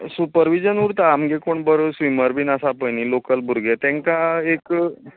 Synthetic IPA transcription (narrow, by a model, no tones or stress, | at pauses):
supəɾʋid͡ʑənuɾt̪aːmɡekoɳbəɾsʋiməɾbʱiːnasapəjñilokəlbʱuɾɡet̪ɛ̃ŋkaek